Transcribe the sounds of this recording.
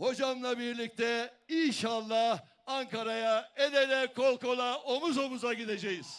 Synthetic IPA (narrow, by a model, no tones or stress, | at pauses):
ho̞d͡ʒamlˠabiɾlʲic̚t̪ʰɛinʃalˠːa | aŋkʰaɾajaelelɛkʰo̞lˠko̞lˠaomuzo̞muzaɟid̪ed͡ʒejiz̥